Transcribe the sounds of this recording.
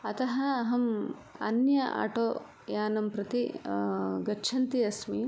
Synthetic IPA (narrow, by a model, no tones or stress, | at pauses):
ɐt̪ɐɦɐːɦɐmɐ̰njɐʔa̰ːʈoː | jaːnɐmpɾɐt̪i | ɡɐt͡ʃʰɐnt̪iɐsmi